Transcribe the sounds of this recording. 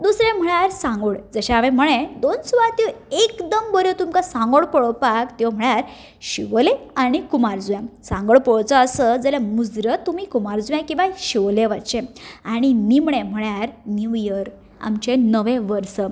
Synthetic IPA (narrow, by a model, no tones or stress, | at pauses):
d̪usɾẽm̤əɭjaɾsãŋɡuɭd͡zəɕaaʋẽm̤əɭẽd̪onsuʋat̪eekd̪əmbəɾjot̪umkasãŋɡəɭpəɭəpakt̪eʋm̤əɭjaɾ | ɕiʋleaɽ̃ikumaɾd͡zujãsãŋɡəɭpəɭt͡səːsəd͡zəljamud͡zɾət̪ːumiːkumaɾd͡zujãkĩw̃ʋaɕiʋleʋat͡ɕeaɽ̃inimɳẽm̤əɭjaɾniʋjəɾ | a̰mt͡ɕenəʋẽʋəɾsə